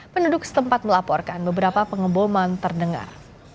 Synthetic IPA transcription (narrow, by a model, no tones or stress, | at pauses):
pənudʊk̚sə̥t̪əmpat̪̚məlapɔrkanbəbəɾapapəŋəbomant̪ərdəŋa̰r